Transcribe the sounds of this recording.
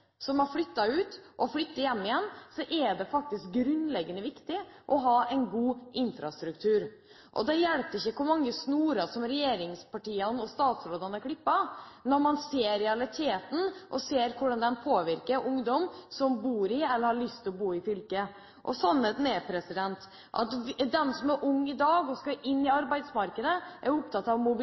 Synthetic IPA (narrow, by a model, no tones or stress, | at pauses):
sɔmɑɾflʏt̪ːɑʉːt̪ʔɔflʏt̪ːəjɛmːɪjɛnːsɔʔɛɖɛfɑk̚t̪ɪsk̚ɡɾʉnd̪lɛɡːənəʋɪkt̪ɪʔɔɦɑːɛɪnɡuːʔɪnfɾɑst̪ɾʉkt̪ʰʉːɾ | ʔɔ̰d̪ɛjɛlp̪ɪçːəkʰʊɾmɑŋːəsnuːɾɑsɔmɾɛjeːɾɪŋspʰɑʈiːənɔst̪ɑːt̪sɾoːd̪ɑnəkʰlɪpːɑnɔɾmɑnseːɾɛɑlɪt̪ʰeːt̪n̩ʔɔseːɾkʰʊɖɑnd̪ɛnpʰoːʋɪɾkəɾʔʊŋd̪ɔmsɔmbuːɾɪɛlːəɾhɑɭʏst̪ʰɪlɔbuːɪfʏlkə | ʔɔ̰sɔnːhet̪neːpʰɾɛsɪd̪ɛnt̪ | ʔɑ̰t̪d̪ɛnsɔmæɾʔʊŋːɪd̪ɑːɡɔskɑɾʔɪnːɪɑɾbæɪd̪smɑɾkəd̪əʔæɾʊpt̪ʰɑt̪ːɑʋmʊb